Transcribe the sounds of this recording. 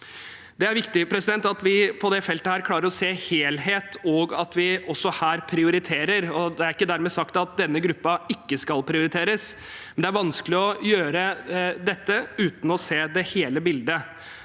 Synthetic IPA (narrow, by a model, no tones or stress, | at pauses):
d̪ɛæɾʋɪkt̪ɪpʰɾɛsɪd̪ɛnt̪ɑt̪ʋɪpʰɔd̪ɛfɛlt̪əhæːɾkʰlɑːɾəɾɔseːheːlɦeːt̪ʰɔɡɑt̪ʋɪʔɔsːɔhæːɾpʰɾɪʊɾɪt̪ʰeːɾəɾɔd̪ɛæɾɪkːəd̪æɾmɛːsɑkt̪ɑt̪̚d̪ɛnːəɡɾʉpːɑɪkːəskɑlpʰɾɪʊɾɪt̪ʰeːɾəs | mɛnd̪ɛæɾʋɑnsklɪɔjøːɾəd̪ɛt̪ːəʉːt̪n̩ɔseːd̪ɛheːləbɪld̪ə